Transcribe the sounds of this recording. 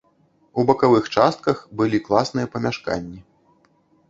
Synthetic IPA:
ubɐkavɨxt͡ʂast̪̚kɐxbɨlʲiklˠasnɨjɐpɐmʲaʂka̰nʲːi

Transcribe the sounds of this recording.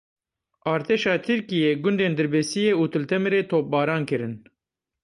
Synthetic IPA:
ʔɑːɾt̪ʰeːʃɑːt̪ʰɨɾkijeːɡʊnd̪eːnd̪ɨɾbɛsijeːuːt̪ʰɨlt̪ʰɛmɾeːt̪ʰoːp̚bɑːɾɑːnkɨɾɨn

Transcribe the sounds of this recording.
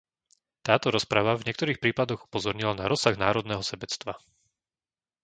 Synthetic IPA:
t̪aːt̪ɔɾɔspɾaʋavɲɪɛkt̪ɔɾiːxpɾiːpad̪ɔɣu̥pɔzɔɾɲilanaɾɔsaɣnaːɾɔd̪nɛɦɔsɛbɛt͡st̪ʋa

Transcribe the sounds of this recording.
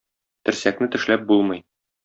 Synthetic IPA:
t̪ɘ̆ɾsæknɘt̪ɘ̆ʃlæp̚bulˠmɤj

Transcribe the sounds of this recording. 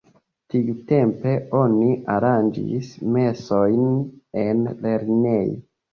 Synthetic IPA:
tiute̞mpe̞o̞niʔaɾand͡ʒḭsme̞so̞jnenle̞ɾne̞j

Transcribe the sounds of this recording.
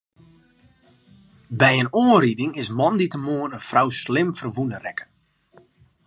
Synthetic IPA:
bɛjənoəridɪŋɪsmɔnditəmoːənənfrawslɪmfərʋunərɛkə̥n

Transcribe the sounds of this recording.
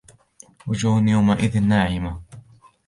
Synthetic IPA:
wʊd͡ʒuːhnjawmaʔɪðɪnːaːʕɪma

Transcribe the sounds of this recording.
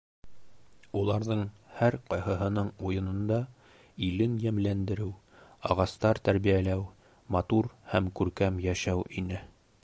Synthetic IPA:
ulˠɑɾðɤɴhæɾqɑjɦɤɦɤ̆nɤɴujɤ̆nɤ̆nd̪ɑ | ilɘnjæmlænd̪ɘ̆ɾɘw | ɑʁɑst̪ɑɾt̪æɾβijælæw | mɑt̪uɾhæmkʉɾkæmjæʃæwʔinɘ

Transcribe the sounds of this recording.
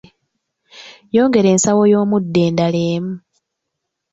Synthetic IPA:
jo̞ːŋɡe̞ɾe̞ːnsawo̞jo̞ːmudːe̞ːndaleːmu

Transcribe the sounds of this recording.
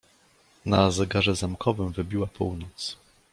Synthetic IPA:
nazɛɡaʐɛzamkʰɔvɘmvɘbʲiwapʰuwnɔt̪s

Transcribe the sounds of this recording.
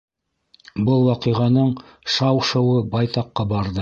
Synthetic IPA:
bɤlˠwɑqĭʁɑnɤɴ | ʃɑwʃɤ̆wɤbɑjt̪ɑqːɑbɑɾðɤ

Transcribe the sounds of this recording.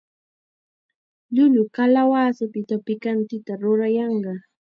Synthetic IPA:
ʎʊʎʊkalawaːsɪpɪt̪apɪkant̪ɪt̪aɾʊɾajɑɴɢɑ

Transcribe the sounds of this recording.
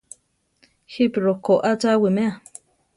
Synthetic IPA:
xipɾokoʔat͡sawimea

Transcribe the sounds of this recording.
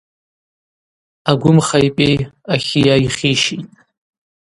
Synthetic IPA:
aɡʷʊmχajpʼejaχʲijaiχiʃitʼ

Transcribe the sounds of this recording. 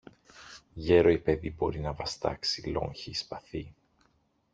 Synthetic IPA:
ʝe̞ɾo̞ipe̞ðibo̞ɾinɐvɐst̪ɐ̰ksilo̞̰ŋçiːspɐθi

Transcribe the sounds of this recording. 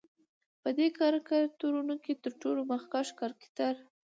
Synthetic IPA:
pəd̪ekɑɾkat̪oɾunəket̪əɾʈolomaxkɑʃkɑɾkɪ̥t̪aɾ

